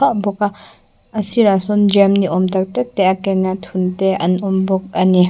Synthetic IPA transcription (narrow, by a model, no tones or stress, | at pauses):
aʔbɔka | ɐsiɾasɔnd͡ʒɛmniʔɔmt̪ɐk̚t̪ɛk̚t̪ɛʔakɛnat̪ʰunt̪ɛʔɐnʔɔmbɔk̚ɐni